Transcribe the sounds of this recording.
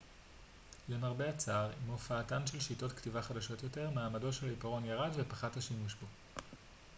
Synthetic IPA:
lemaʁbeat͡saʁimofaːtanʃe̞lʃito̞tktivaχadaʃo̞tjo̞te̞ʁmaːmado̞ʃelipaʁo̞njaʁadvepaχathaʃimuʃbo

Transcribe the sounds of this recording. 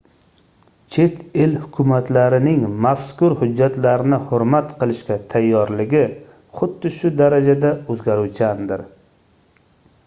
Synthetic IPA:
t͡ʃʰe̞t̪elhʊkʲʰʊmat̪ʰlaɾɪnɪŋmaskʊɾhʊd͡ʒːat̪laɾɪnɪhʊɾmat̪qʰɨlˠɪʃkʲat̪ʰajːɒɾlɪɡʲɪ | χʊd̪ːɪʃʊd̪aɾad͡ʒad̪aɵzɡʲaɾuwt͡ʃʰand̪ɪɾ

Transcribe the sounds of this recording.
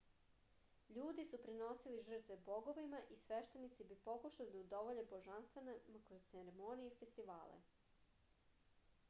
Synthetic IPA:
ʎuːd̪isupɾino̞siliʒr̩t̪ʋebo̞ɡo̞ʋimaʔisʋeʃt̪e̞nit̪sibipo̞kuʃalid̪aud̪oʋoʎeboʒanst̪ʋenemakɾozt̪seɾemonijeifest̪iʋa̰ːlḛ

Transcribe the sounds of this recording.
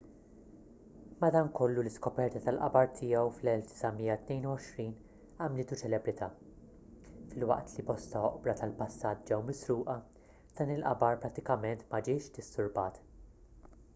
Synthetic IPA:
mɐd̪ɐːnkɔlːulɪskɔpɛɾt̪ɐt̪ɐlʔɐbɐɾt̪ʰɪjɛwflɛlfd̪ɪ̥sɐmiːjːɐt̪nɛjnuwɔʃɾiːn | ɐmlɪːt̪ut͡ʃɛlɛbɾɪt̪ʰɐː | fɪlwɐ̰ʔt̪libɔst̪ɐɔʔbɾɐt̪ɐlpɐsːɐːt̪̚d͡ʒɛwmɪsɾuːʔɐ | d̪̥ɐːnɪlʔɐ̰bɐɾpɾɐt̪ːɪkɐmɛnt̪mɐd͡ʒɪːʃd̪ɪsːʊɾbɐːt̪

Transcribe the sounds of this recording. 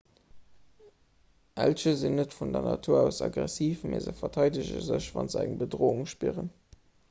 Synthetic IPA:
ʔælʃəzinːətfundɐnɑtʰuːɐæʊsɑɡʁæsiːfmeːzəfɐtʰɑɪdəʑə̰zəɕvɑnzəæŋbədʁoːuŋʃpiəʁən

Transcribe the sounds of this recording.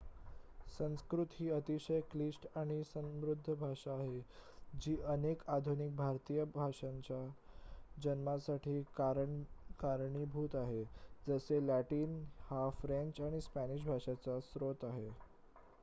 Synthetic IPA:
sə̃ñskɾut̪ɦiːət̪iɕəjklisʈaɽ̃isəmɾud̪ʱːəbʱaʂaːɦed͡ʑiːʔənekad̪ʱunik̚bʱaɾt̪ijəbʱaʂaɲt͡ɕa | d͡ʑənmasaʈʰiːkaɾəɳkaɾɳiːbʱuːt̪aɦed͡zəselæʈiːnhafɾẽɲt͡ɕaɽ̃ispæniʂ̬bʱaʂat͡sasɾot̪aɦe

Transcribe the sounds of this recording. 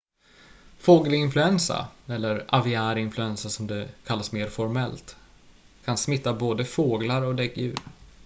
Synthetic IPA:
foːɡəlɪnflɵɛnsa̰ɛlːəɾʔavɪæːɾɪnflɵɛnsasɔmd̪ɛkʰalːasmeːɾfɔɾmɛlt̪ | kʰansmɪt̪ːaboːd̪əfoːɡlaɾɔd̪ɛkːjʉ̟̰ːɾ

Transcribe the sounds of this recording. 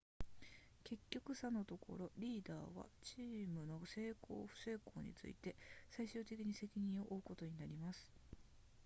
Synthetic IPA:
ke̞kʲːo̞kɯ̟sano̞t̪o̞kʰo̞̰ɾo̞ɾʲiːd̪a̰ːβa̰t͡ɕiːmɯ̟no̞se̞ːkʰo̞̰ːɸɯ̟̥se̞ːko̞̰ːɲ̟ḭt͡sɨ̰ḭt̪e̞saiɕɨːt̪e̞kʲiɲ̟ise̞kʲiɲ̟ĩɰ̃o̞ʔoɯko̞t̪o̞ɲ̟inaɾʲimasɨ̥

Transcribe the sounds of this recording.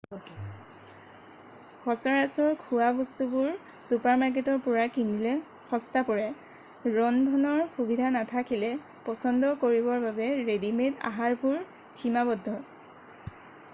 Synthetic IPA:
xɔsaɹasɔɹkʰuabɔstubʊɹ | supaɹmaɹk̬etɔɹpʊɹakindilɛ | xɔstapɔɹɛ | ɹɔndʱɔnɔɹxubidʱanatʰakilɛ | pɔsɔndɔkoɹibɔɹbabɛɹedimeta̰ɦaɹpuɹ | ximabɔdʱːɔ

